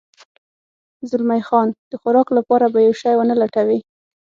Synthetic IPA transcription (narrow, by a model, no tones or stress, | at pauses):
zʊlmajxɑnd̪̥əxʊɾɑklapɑɾabajawʃɑjwənalaʈawi